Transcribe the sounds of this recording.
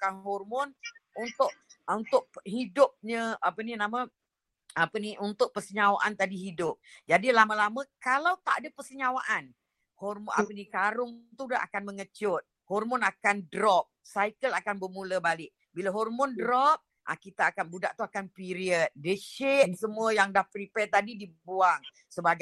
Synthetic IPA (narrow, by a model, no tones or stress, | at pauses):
ukanɦɔrmɔnunt̪ʊʔunt̪ʊʔɦidʊp̚ɲəapəninamã | apəniʔunt̪ʊʔ̚pəsəɲawa̰ʔant̪adiɦidʊp̚d͡ʒadilamãlamə̃kalawt̪aʔadəpəsəɲawaʔan | hɔrma̰pənikaɾʊŋt̪udaa̰kanməŋət͡ʃʊt̪̚ | hɔrmɔnakandɾɔp̚sajkəlakanbərmuləbalɪʔ̚ | bilaɦɔrmɔndɾɔp̚ | ʔa̰kit̪aːkanbudaʔt̪uakanpiɾiət̪̚dəʃɪt̪̚səmuəjaŋdahpɾipɛrt̪adidibuaŋ | səbaɡa